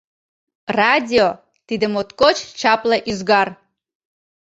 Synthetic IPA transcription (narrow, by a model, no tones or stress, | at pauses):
radʲio | t̪id̪əmot̪kot͡ʃt͡ʃaplˠaʔyzɡar